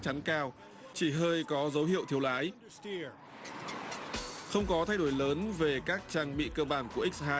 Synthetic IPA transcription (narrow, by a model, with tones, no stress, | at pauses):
t͡ɕa˨˦nkaː˧w | t͡ɕi˧˩ɦəː˧jkɔ˨˦zə˨˦wɦḭ˧˨ə˨wt̪ʰi˧əwlaː˨˦j | xə˧wŋ͡mkɔ˨˦t̪ʰa˧jɗo˧˥˩jləː˨˦nve˨˩kaː˦˥k̚t͡ɕaː˧ŋɓḭ˧˨kəː˧ɓaː˧˩nku˧˩əʔi˦˥k̚haː˧